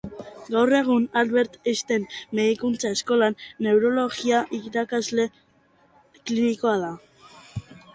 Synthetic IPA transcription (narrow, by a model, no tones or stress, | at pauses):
ɡawre̞ɣ̞unalβe̞ɾt̪est̪emːe̞ðikunt͡sae̞sko̞lanːe̞wɾo̞lo̞ɣiaʔiɾakazle̞ | kliniko̞aða